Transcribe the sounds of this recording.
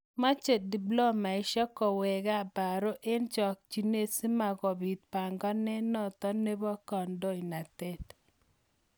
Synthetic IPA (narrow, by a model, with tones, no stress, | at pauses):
ma˦t͡ʃe˨t̚di˨blo˦ma˨ɪ˨˦ʃɔ˦kɔ˨wɛ˨ɡa˦˨ba˨ɾo˦ʔe˦nt͡ʃɔ˨k̚t͡ʃi˨ne˦si˦ma˨ɡɔ˨bi˨t̪̚pa˨ŋɡɔ˦nɛ˦nɔ˦˨t̪ɔ˦ne˦bɔ˦kɔ˨ndo˦ina˨tɛ˦t̪